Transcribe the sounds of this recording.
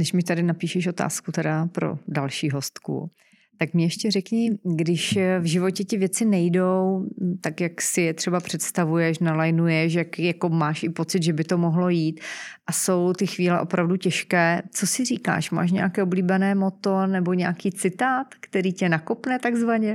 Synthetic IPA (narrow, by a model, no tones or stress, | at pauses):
nɛʃmɲɪt̪adɪnapiːʃɛʃʔo̞t̪a̰ːskut̪ɛdapɾo̰dalʃiːɦo̞st̪kṵ | t̪akmɲɛjɛʃcɛrɛkɲɪɡdɪʃvʒɪvo̞cɛt̪ɪvjɛt͡sɪnɛjdowt̪akjaksɪjɛt̪r̝̥ɛbapr̝̥ɛt̪st̪avujɛʃnalajnujɛʃ̬jakjakomaːʃɪpo̞tt͡sɪd̪ʒɛbɪt̪o̞moɦlo̞jiːt̪ʔaso̞wt̪ɪxviːlɛ̰ʔo̞pɾavducɛʃkɛːt͡sosɪriːka̰ːʃma̰ːʃ̬ɲɛakɛːobliːbɛnɛːmot̪onɛbo̞ɲɛakiːt͡sɪt̪aːt̪kt̪ɛɾiːcɛnakopnɛt̪aɡzvaɲɛ